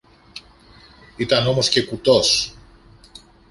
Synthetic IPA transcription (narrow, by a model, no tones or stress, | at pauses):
it̪ɐno̞mo̞sce̞kut̪o̞s